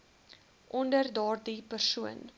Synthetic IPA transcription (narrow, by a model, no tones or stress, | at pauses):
ʔɔndərdɑːrdipərsuən